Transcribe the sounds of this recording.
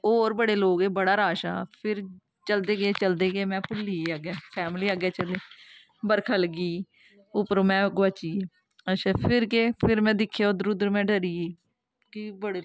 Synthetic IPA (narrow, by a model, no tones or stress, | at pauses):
ɔːɾbəɽeːloːɡeːbəɽaːɾaːʃa̰ːpʰɪɾ | t͡ʃəld̪eːɡeːt͡ʃəld̪eːɡeːmɛ̃ːpʊliːaɡɛːpʰɛːmliːaːɡɛːt͡ʃəleː | bəɾkʰəlɡiː | ʊpəɾõːmɛ̃ːɡʋaːt͡ʃiːe | əʃʰɛːpʰɪɾkeːpʰɪɾmɛ̃ːd̪ɪkʰːjaːoːd̪ʊɾʊd̪ɾmɛ̃ːɖəɾiːeː | kibəɽeː